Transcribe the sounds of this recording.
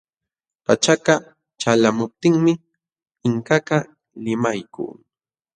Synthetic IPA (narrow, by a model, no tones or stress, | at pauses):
pat͡ʃaka | t͡ʃalamʊp̚t̪ɪŋmɪ | ɪŋkaka | lɪmajkṵː